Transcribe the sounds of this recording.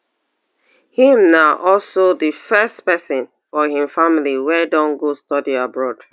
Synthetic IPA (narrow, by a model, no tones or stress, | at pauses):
hĩmnaʔɔlsoðɨfɛstpɛsɔ̃n | fɔhĩmfamliwɛdɔ̃nɡostɔdiabɹɔd̥